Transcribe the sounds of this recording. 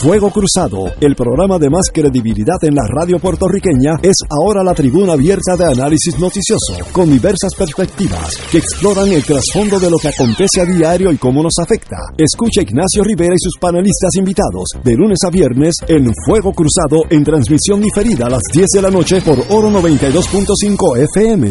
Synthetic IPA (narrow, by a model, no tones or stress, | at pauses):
fwe̞ɣ̞o̞kɾusaðo̞̰e̞lpɾo̞ɣɾamaðe̞maskɾe̞ðiβiliðaðe̞nla̰raðjo̞pwe̞ɾt̪o̞rike̞ɲae̞sao̞ɾalat̪ɾiβunaːβje̞ɾt̪aðe̞analisizno̞t̪isjo̞so̰ko̞nd̪iβe̞ɾsaspe̞ɾspe̞k̚t̪iβa̰ske̞ːksplo̞ɾaŋe̞lt̪ɾasfo̞nd̪o̞ðe̞lokeako̞nt̪e̞seaðiaɾjo̞iko̞mo̞no̞safe̞kt̪a̰e̞skut͡ʃaiɡnasjo̞riβe̞ɾaisuspane̞list̪asimbit̪aðo̞̰zd̪e̞lune̞saβje̞ɾne̞se̞nfwe̞ɣ̞o̞kɾusaðo̞ʔe̞nt̪ɾansmisjo̞nd̪ife̞ɾiðaːlazd̪je̞zðe̞lano̞t͡ʃe̞po̞ɾoɾo̞no̞β̞e̞nt̪ajðo̞spunt̪o̞siŋko̞efeeme